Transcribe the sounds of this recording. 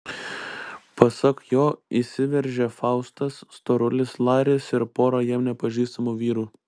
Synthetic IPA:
pɐsɐkjoːisʲɪʋʲɛɾʲʒʲeːfɑˑʊst̪ɐsːt̪oːɾʊlʲɪslˠɑːɾʲɪsɪɾpoːɾɐjɛmnʲɛpɐʒʲiːst̪ɐmuːʋʲiːɾuː

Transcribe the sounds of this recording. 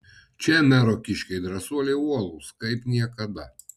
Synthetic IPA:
t͡ʃʲɛmʲɛɾɔkʲɪʃʲkʲɛɪd̪ɾɐsuɔlʲeuɔlˠuːskɐɪpnʲiɛkɐd̪ɐ

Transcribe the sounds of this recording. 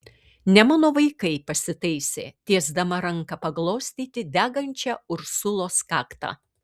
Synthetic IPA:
nʲɛmɐːnoːʋɐɪkɐɪpɐsʲɪt̪ɐɪsʲḛːt̪ʲiɛzd̪ɐmɐɾɐŋkɐpɐɡlˠoːsʲt̪ʲiːt̪ʲɪd̪ʲæːɡɐnʲt͡ʃʲæːʊɾsʊlˠoːskɑːkt̪ɑ̰ː

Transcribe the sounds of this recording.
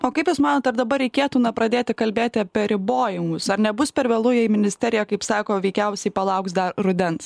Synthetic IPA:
oːkɐɪpjuʊsmɑːnoːt̪ɐɾd̪ɐbɐɾʲɛɪkʲeːt̪uːnɐpɾɐd̪ʲeːt̪ʲɪkɐlʲbʲeːt̪ʲɪɐpʲɛɾʲɪboːjɪŋɡʊsɐɾnʲɛbʊspʲɛɾʋʲɛːlˠʊjɛɪmʲɪnʲɪsʲt̪ʲɛɾʲɪjɛkɐɪpsɑːkoːʋʲɛɪkʲɛʊsʲɛɪpɐlˠɐʊksd̪ɐɾɾʊd̪ʲɛns

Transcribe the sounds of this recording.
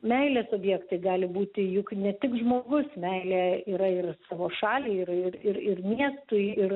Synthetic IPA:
mʲɛɪlʲeːsoːbʲjiːkt̪ɐɪɡɑːlʲɪbuːt̪ʲɪjʊknʲɛt̪ʲɪkʒmoːɡʊsmʲɛɪlʲeːiːɾɐɪrsɑːʋoːʃɑːlʲiːɪrɪrɪɾɪrmʲiɛst̪ʊɪɪr

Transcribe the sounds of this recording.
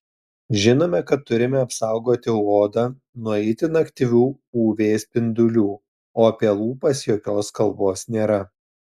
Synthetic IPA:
ʒʲɪnoːmʲɛkɐt̪ːʊɾʲɪmʲɛɐpsɑˑʊɡoːt̪ʲɪoːd̪ɑ | nʊɛɪt̪ʲɪnɐkʲt̪ʲiʋʲuː | uːʋʲeːspʲɪnd̪ʊlʲuː | oːɐpʲeːlˠuːpɐsjoːkʲoːskɐlˠboːsnʲeːɾɐ

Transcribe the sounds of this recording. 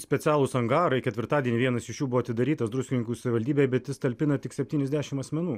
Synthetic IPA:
sʲpʲɛt̪sʲæːlˠʊsɐŋɡɑːɾɐɪkʲɛt̪ʲʋʲɪɾt̪ɑːdʲiɛnʲɪːʋʲiɛnɐsɪʃjuːbʊʋoːɐt̪ʲɪd̪ɐɾʲiːt̪ɐsd̪ɾʊsʲkʲɪnʲɪŋkuːsɐʋʲɪʋɐlʲd̪ʲiːbʲejbʲɛt̪jʲɪst̪ɐlʲpʲɪnɐt̪ʲɪksʲɛpʲt̪ʲiːnʲɛzd̪ʲæːʃʲɪmɐsʲmʲɛnuː

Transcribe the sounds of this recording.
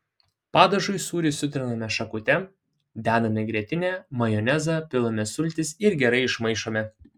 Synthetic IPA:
pɑːd̪ɐʒʊɪsuːɾʲɪsʊt̪ʲɾʲɪnɐmʲɛʃɐkʊt̪ʲɛ | d̪ʲæːd̪ɐmʲɛɡɾʲiɛt̪ʲɪnʲɛːmɐjɔnʲæzɑpʲɪlˠɐmʲɛsʊlʲt̪ʲɪsɪɾɡʲɛɾɐɪɪʃmɐɪʃoːmʲɛ

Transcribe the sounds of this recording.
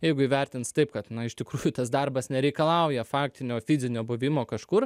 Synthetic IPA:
jɛɪɡʊiːʋʲɛrʲt̪ʲɪnst̪ɐɪpkɐt̪nɐɪʃt̪ʲɪkɾuːjʊt̪ɐsd̪ɐrbɐsnʲɛɾʲɛɪkɐlˠɐʊjɛfɑːk̚t̪ʲɪnʲoːfʲɪzʲɪnʲoːbʊʋʲɪmoːkɐʃkʊr

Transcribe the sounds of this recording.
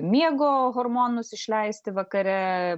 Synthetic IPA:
mʲiɛɡoːɦoːɾmoːnʊsɪʃʲlʲɛɪsʲt̪ʲɪʋɐkɐɾʲɛ

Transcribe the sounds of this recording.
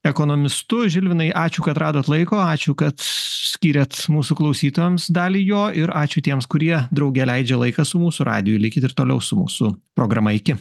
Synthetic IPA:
ɛkoːnoːmʲɪst̪ʊʒʲɪlʲʋʲɪnɐɪʔɑːt͡ʃʲʊːkɐt̪ɾɑːd̪oːt̪lˠɐɪkoːɑːt͡ʃʲʊkɐt̪sʲkʲiːɾʲɛt̪muːsuklˠɐʊsʲiːt̪oːjɛmsd̪ɑːlʲiːjoːʔɪɾɑːt͡ʃʲʊt̪ʲiɛmskʊɾʲiɛd̪ɾɒʊɡʲɛlʲɛɪd͡ʒʲɛlˠɐɪkɐsʊmuːsʊɾɑ̰ːd̪ʲɪjuɪlʲɪkʲɪt̪ɪɾt̪oːlʲɛ̰ʊsʊmṵːsʊpɾoːɡɾɐmɐɪkʲɪ

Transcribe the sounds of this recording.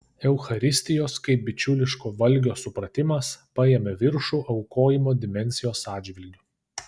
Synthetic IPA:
ɛʊxɐɾʲɪsʲt̪ʲɪjoːskɐɪp̚bʲɪt͡ʃʲʊlʲɪʃkoːʋɐlʲɡʲoːsʊpɾɐt̪ʲɪmɐspɐjemʲeʋʲɪɾʃuːʔɐʊkoːjɪmoːd̪ʲɪmʲɛnʲsʲɪjoːsɑːdʲd͡ʒʲʋʲɪlʲɡʲʊː

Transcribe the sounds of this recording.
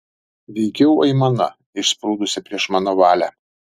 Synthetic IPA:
ʋʲɛɪkʲɛʊɐɪmɐnɐ̰ | ɪʃspɾuːd̪ʊsʲɪpʲɾʲiɛʃmɑːnoːʋɑːlʲæ

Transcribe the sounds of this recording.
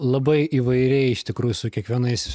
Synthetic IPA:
lˠɐbɐɪiːʋɐɪɾʲɛɪɪʃt̪ʲɪkɾuːjʊsʊkʲiɛkʋʲiɛnɐɪs

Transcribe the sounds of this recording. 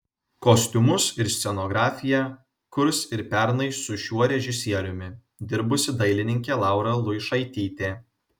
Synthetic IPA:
kɔsʲt̪ʲʊmʊsɪɾsʲt̪sʲɛnoːɡɾɑːfʲɪjæ | kʊɾsɪɾpʲæɾnɐɪsʊʃʲuɔɾʲɛʒʲɪsʲiɛɾʲʊmʲɪ | d̪ʲɪɾbʊsʲɪd̪ɐɪlʲɪnʲɪŋʲkʲeːlˠɑˑʊɾɐlˠʊɪʃɐɪt̪ʲiːt̪ʲeː

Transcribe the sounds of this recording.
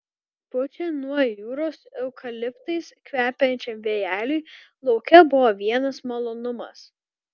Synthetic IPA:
pʊt͡ʃʲɛnuɔjuːɾoːsɛʊkɐlʲɪpt̪ɐɪskʋʲæːpʲɛnʲt͡ʃʲɛmʋʲejæːlʲʊj | lˠɔʊkʲɛbʊʋoːʋʲiɛnɐsmɐlˠoːnʊmɐ̰s

